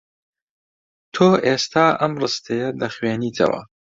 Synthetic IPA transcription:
t̪ʰoːʔeːst̪ʰaːʔɐmrɨst̪ʰejɐlɐχɥeːniːt̪ʰɐ̰wɐ̰

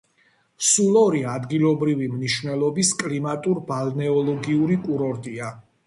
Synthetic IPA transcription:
sulˠɔɾiad̪ɡilˠɔbɾivimniʃvnɛlˠɔbiskʼlimat̪ʼuɾbalnɛɔlˠɔɡiuɾikʼuɾɔɾt̪ʼia

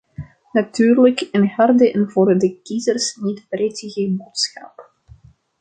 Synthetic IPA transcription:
natyːrləkɪnhɑrdəʔɛnvoːrdəkizərsnitbretəɣəboːtsxɑ̰p

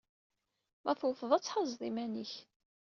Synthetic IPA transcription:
mʔæθwəfəðˤæt͡sːħɑzˤðˤimæniç

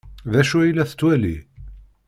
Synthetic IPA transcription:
ðæʃuilæθə̥t͡sːwælḭ

